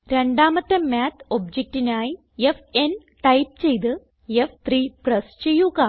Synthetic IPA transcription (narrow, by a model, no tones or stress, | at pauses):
ɾeɳɖaːmɐt̪ːɐmaːt̪ʰob̚d͡ʑek̚ʈinaːji | efen | ʈɐjp̚t͡ɕe̞jt̪ɨ | eft̪riːprɐst͡ɕejːuɣa